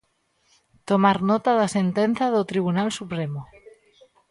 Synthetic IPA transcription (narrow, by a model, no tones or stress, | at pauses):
t̪omaɾnot̪aðasent̪en̟θaðot̪ɾiβ̞unalsupɾemo